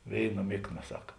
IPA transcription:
ˈʋʲeːɪˌnɐ ˈmʲɪkˌnɐ ˈsɐk

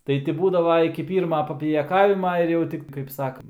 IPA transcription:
ˈtɐɪ tʲɪ ˈbuːdɐʋɐ ɪkʲɪ ˈpʲiːrmɐ pɐpʲɪjɛˈkɑːʋʲɪmɐ ɪr ˈjɛʊ ˈtʲɪk kɐɪp ˈsɑːkɐnt

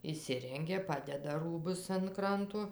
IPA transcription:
ɪʃʲˈsʲɪrʲɛŋʲɡʲɛ ˈpɑːdʲɛdɐ ˈruːbʊs ɐn ˈkrɐntoː

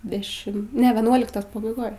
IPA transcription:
dʲɛˈʃʲɪm ˈnʲɛ ʋʲɛˈnuɔlʲɪktoːs pɐbɐɪˈɡoːj

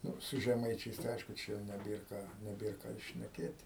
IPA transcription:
ˈnʊ sʊ ʒʲɛˈmɐɪt͡ʃʲɛɪs tɐɪ ˈɐɪʃkʊ ˈt͡ʃʲɛ jɛʊ nʲɛˈbʲeːr ˈkɑː nʲɛˈbʲeːr ˈkɑː ɪr ʃʲnʲɛˈkʲeːtʲ

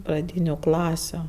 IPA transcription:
prɐˈdʲiːnʲʊ ˈklˠɑːsʲʊ

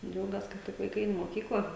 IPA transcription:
ˈd͡ʒʲɛʊɡʲɛs kɐ ˈtʲɪk ʋɐɪˈkɐɪ ˈɛɪn ɪ moːˈkʲiːklˠɐ

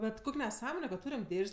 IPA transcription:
ˈbʲɛt ˈkʊkʲ nʲɛˈsɑːmoːnʲɛ kɐt ˈtuːrʲɛm ˈdʲeːʃʲsʲ

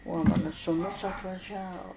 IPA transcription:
uɔ ˈmɑːnɐ suːˈnʊs ɐtʋɐˈʒʲɛ

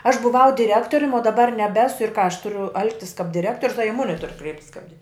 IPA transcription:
ɐʃ bʊˈʋɐʊ dʲɪˈrʲæːktoːrʲʊm oː dɐˈbɐr nʲɛˈbʲæːsʊ ɪr kɑː ɐʃ ˈtʊrʲʊ ˈɐlˠktʲɪs kɐp dʲɪˈrʲæːktoːrʲʊs ɐ ɪ ˈmʊnʲɪ tʊr ˈkrʲɛɪpʲtʲɪs kɐp dʲɪr

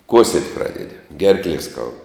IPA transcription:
ˈkuɔsʲiɛtʲ ˈprɑːdʲɛdʲɪ ˈɡʲɛrklʲiɛ skɐʊt

